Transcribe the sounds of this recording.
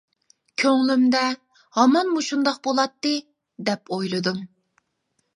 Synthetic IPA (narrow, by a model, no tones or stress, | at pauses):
kʲʰøŋlymd̪ɛ | hɑmɑnmuʃund̪ɑq̚bolˠɑt̪ːɨ | d̪ɛpojlˠɨd̪um